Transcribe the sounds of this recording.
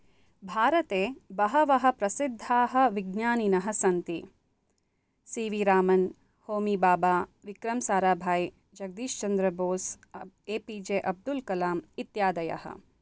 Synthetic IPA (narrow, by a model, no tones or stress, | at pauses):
bʱaːɾɐt̪eːbɐɦɐʋɐɦɐ̆pɾɐsid̪ʱːaːɦɐ̆ʋiɡnjaːninɐɦɐ̆sɐnt̪i | siːʋiɾaːmɐn | hoːmiːbaːbaːʋikɾɐmsaːɾaːbʱaːj | d͡ʒɐɡ̚d̪iːʃt͡ʃɐnd̪ɾɐboːs | eːpid͡ʒeːʔɐb̚d̪ulkɐlaːmit̪jaːd̪ɐjɐ̰hɐ̰